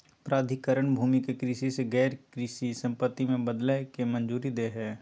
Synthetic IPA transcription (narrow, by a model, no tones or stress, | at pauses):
pɾaːd̪ʱɪkəɾəɳbʱuːmikekɾiːʃiseɡɛːɾkɾiːsisə̃mpət̪ːimẽbəd̪ləkemənd͡ʒuːɾid̪eːɦɛː